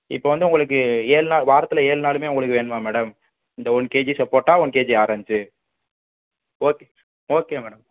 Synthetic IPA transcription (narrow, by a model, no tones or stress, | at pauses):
ɪ̰pːoːʋɐnd̪ɯʊŋɡɐɭɯk̬ːɯeːɭnaːɭʋaːɾɐt̪ːɯlɐeːɭnaːlɯmeːʊŋɡɐɭɯkːɯʋeːɳɯmãːmɛːɽɐm | ɪnd̪ɐɔɳkeːd͡ʒisɐpːoːʈːaːɔɳkeːd͡ʒiaːɾɐːt͡ʃɯ | oːke | oːkːeːmɛːɽɐm